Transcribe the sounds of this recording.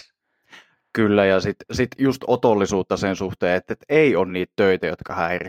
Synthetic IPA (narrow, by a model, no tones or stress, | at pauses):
kylːæjɑsit̪sit̪just̪ot̪olːisuːt̪ːɑsensuht̪eːet̪ːet̪eionniːt̪t̪øit̪æjo̰t̪kɑhæirḭ